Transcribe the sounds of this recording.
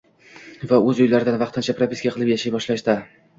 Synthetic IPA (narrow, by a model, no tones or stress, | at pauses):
vaɵzʊjlaɾɪd̪anvɑq̚t̪ɪnt͡ʃʰapɾopʲɪsɡʲaqʰɨlˠɪpjaʃajbɒʃlaʃd̪a